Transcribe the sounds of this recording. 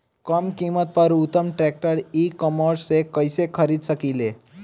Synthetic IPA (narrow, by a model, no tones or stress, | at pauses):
kəmkimət̪̚pəɾut̪ːəmʈɾɛk̚ʈəɾikəməɾssekəjsekʰəɾid̪səkiːle